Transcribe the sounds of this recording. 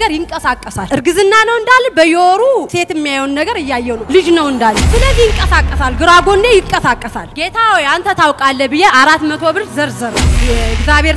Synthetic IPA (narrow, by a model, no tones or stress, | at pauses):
ɡəɾjɪŋkʼəsakʼːəsalɨɾɡɨzɨnːanəwɨnd̪alːbəjoɾuse̞t̪ɪmːijajwnnːəɡəɾɨjːajːɛnuwlɨd͡ʒnəwɨnd̪alːɨsɨləzːihɨŋkʼəsakʼːəsalɡɨɾaɡo̞nːejɪkʼːəsakʼːəsalɡe̞t̪ʰawɔjant̪ʰət̪ʰawkʼalːəbɨjeaɾat̪mət̪ʰo̞bɨɾt̪zəɾzəɾəwjɛɡzaβe̞ɾ